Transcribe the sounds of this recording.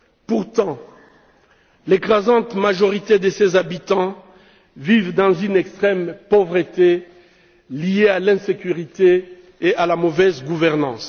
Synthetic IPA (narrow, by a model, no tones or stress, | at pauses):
puʁt̪ɑ̃ | lekχazɑ̃t̪maʒɔʁit̪ed̪əsezabit̪ɑ̃ | vivd̪ɑ̃zynɛkst̪χɛmpovʁət̪e | liealɛ̃sekʲyʁit̪eː | ʔalamovɛzɡuvɛʁnɑ̰̃s